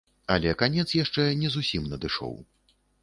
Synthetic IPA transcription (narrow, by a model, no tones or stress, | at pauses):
ɐ̰lʲɛkanʲɛt̪sjaʂt͡ʂɛnʲɛzusʲimnɐd̪ɨʂɔ̰w